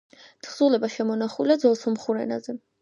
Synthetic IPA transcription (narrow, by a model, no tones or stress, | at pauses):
t̪ʰχz̥ulɛbaʃɛmɔnaχulad̪zɔlˠsɔmχuɾɛ̰na̰zɛ